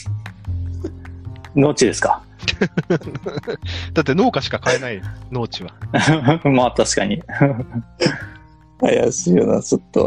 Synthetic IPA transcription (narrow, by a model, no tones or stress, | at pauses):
no̞ːt͡ɕid̪e̞sɨ̥ka | d̪̥at̪̬ːe̞no̞ːkaɕi̥kakaenaino̞ːt͡ɕiβa | maːt̪aɕi̥kaɲ̟i | a̰ja̰ɕiːjona̰t͡ɕot̪ːo̰